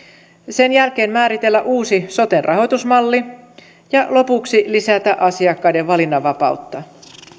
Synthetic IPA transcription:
se̞njælk̟e̞ːnmæːɾit̪e̞lːæʔuːsiso̞t̪enrʔɑɦo̞jt̪usmɑlːi | jɑlo̞puksilisæt̪æʔɑsiɑkːɑjdeʋʋɑlinːɑʋɑpɑ̰ut̪ːɑ

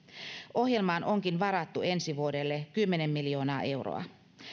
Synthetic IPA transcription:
ʔo̞ɦje̞lmɑːnʔo̞ŋkinʋɑɾɑt̪ːuensiʋuode̞lːekymːenemːiljo̞ːnɑːʔe̞wro̰ɑ̰

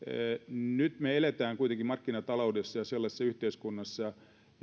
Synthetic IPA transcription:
nyt̪meelet̪æːŋkuit̪eŋkimɑrkːinɑt̪ɑloudesːɑjɑselːɑsesːɑyht̪eiskunːɑsːɑ

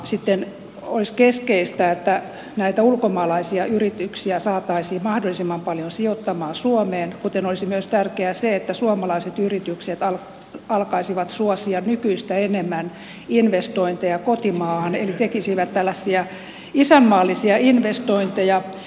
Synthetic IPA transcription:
sit̪ːen | oiskeskeist̪æet̪ːæ | næit̪æulkomɑːlɑisiɑʔyrit̪yksiæsɑːt̪ːɑisiːmɑhdolːˑisimːɑmpɑljonsiot̪ːɑmɑːsuomeːnkut̪enolisimyøst̪ærkeæseet̪ːæsuɑmɑlɑiset̪yrit̪ykset̪ɑl | ɑlkɑisiʋɑt̪suɔsiɑnnykyist̪æenemːæn | inʋest̪oint̪ejɑkot̪imɑːhɑnelit̪ekisiʋæt̪t̪ælːæsːiæ | isæmːɑːlːisiɑinʋest̪oint̪ejɑ

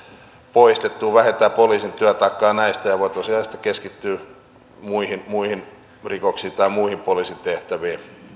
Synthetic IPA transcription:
poist̪et̪ːuːʋæhet̪æːpoliːsint̪yæt̪ɑˑikːɑːnæist̪æjɑʋoˑit̪osiɑˑist̪ɑ̥keskit̪ːyː | muihinmuihin | rikoksiːt̪ɑimuihimpoliːsint̪eht̪æʋiː

